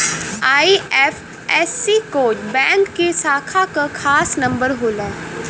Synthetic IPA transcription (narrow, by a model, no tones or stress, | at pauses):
aːiɛːf | ɛsːikoːd͡ʒbɛ̃ːŋkːesaːkʰakakʰaːsnɐ̃mbəɾɦoːlɛː